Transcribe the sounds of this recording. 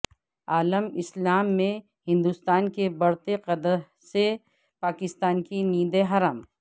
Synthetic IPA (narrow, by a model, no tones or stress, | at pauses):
aːləmɪslaːmːẽ | hɪ̃nd̪uːst̪aːnkebɐɽt̪eqɐd̪əɾ | se | paːkɪst̪aːnkiniːd̪eɦɐɾaːm